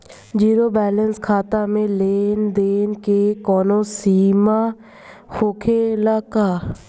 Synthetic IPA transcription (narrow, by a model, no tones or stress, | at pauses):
d͡ʒiːɾoːbɛːlənskʰaːt̪amẽleːnd̪eːnkekɔːnõsiːmaː | xoːkʰelaːkaː